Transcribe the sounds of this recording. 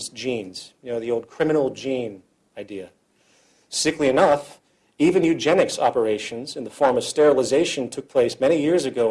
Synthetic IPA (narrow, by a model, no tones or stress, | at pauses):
zd͡ʒĩnz̥jnoʊðioʊlˠd̚kʰɹ̥ɪ̃mɨnl̩ˠd͡ʒĩn | aɪdiɨ | sɪkliɨnʌf | ivɨ̃njʉd͡ʒɛnɨksɑpə˞eɪʃɨ̃nzɨ̃nðəfɔɹmʌv̥stɛɹl̩ˠəzeɪʃɨ̃ntʰʊk̚pʰl̥eɪsmɛɾ̃ijɪɹzɨɡoʊ